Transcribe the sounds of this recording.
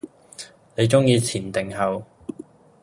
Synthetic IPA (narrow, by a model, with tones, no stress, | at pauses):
ne˨˧jt͡sʊ˥ŋjiː˧t͡sʰiː˨˩nt̪ɪ˨ŋɦɐ˨˧w